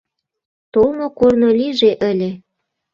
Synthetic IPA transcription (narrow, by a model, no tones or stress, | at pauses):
t̪olmokornoliʒeʔə̆lʲĕ